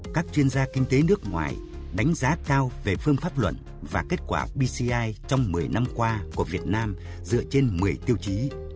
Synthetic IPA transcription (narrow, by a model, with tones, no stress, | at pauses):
kaː˦˥k̚t͡ɕwi˧ənzaː˧kï˧ŋ̟t̪e˨˦nɨ˦˥ək̚ŋwa̰ː˨˩j | ɗa˨˦ŋ̟zaː˨˦kaː˧wve˨˩fɨ˧əŋfaː˦˥p̚lwə̰˧˨n | vaː˨˩ke˦˥t̚kwa̰ː˧˩ɓi˧si˧ʔaː˧jt͡ɕɔ˧wŋ͡mmɨ˨˩əjna˧mkwaː˧ku˧˩əvi˨˩ət̚naː˧m | zɨ̰˧˨ət͡ɕe˧nmɨ˨˩əjt̪i˧əwt͡ɕi˨˦